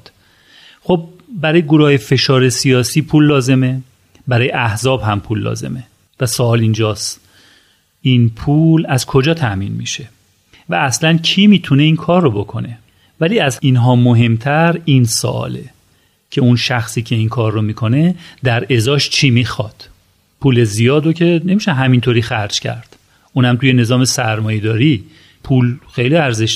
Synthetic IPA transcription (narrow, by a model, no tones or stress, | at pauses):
d̪̥ | xob̚ːæɾɒːjeɡoɾujefe̞ʃɒːɾe̞sijɒːsiːpʰuːlːɒːze̞me̞ | bæɾɒːjeʔæhzɒːbhæmpʰulːɒ̰ːze̞̰me | væsoɒːlind͡ʒɒːst̪ | inpʰuːlæzkʰo̞d͡ʒɒːt̪ʰæʔmḭːnmḭʃe̞ | væːslæncʰiːmiːt̪ʰune̞iːnkʰɒːrːobo̞kʰo̞ne̞ | væliːæziːnɦɒːmoɦe̞mt̪ʰæɾinso̰ʔɒ̰ːle̞ | cʰe̞unʃæxsiːcʰe̞inkʰɒːɾːomikʰo̞ne̞d̪æɾe̞zɒːʃt͡ʃʰiːmixɒːd̪̥ | pʰuːlezijɒːd̪ocʰe̞ne̞miʃæɦæmint̪ʰoːɾiːxæɾd͡ʒcʰæ̰ɾd̪̥ | ʔuːnhæmt̪ʰuje̞ne̞zɒːme̞sæɾmɒːjed̪ɒːɾi | pʰuːlxejliæɾzeʃ